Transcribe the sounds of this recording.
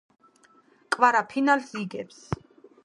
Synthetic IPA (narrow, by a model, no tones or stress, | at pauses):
kʼvaɾapʰinalsiɡɛps